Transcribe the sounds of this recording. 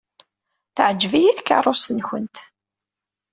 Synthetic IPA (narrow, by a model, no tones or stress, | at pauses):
θəʕəd͡ʒːvijiθkːɑ̰rˤost̪ənçənt̪